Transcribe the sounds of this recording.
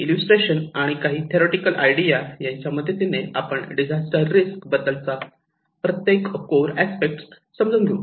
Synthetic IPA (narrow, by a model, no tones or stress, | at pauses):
iljusʈɾeɕənaɽ̃ikaɦiːt̪ʰeɾeʈikəlʔa̰jɽijajaɲt͡ɕjaməd̪ʱjet̪ineapəɳɖid͡ʑʱasʈəɾːiskbəd̪əlt͡sa | pɾət̪jekkoɾæspek̚ʈs | səmd͡zuːnd̪ʱiu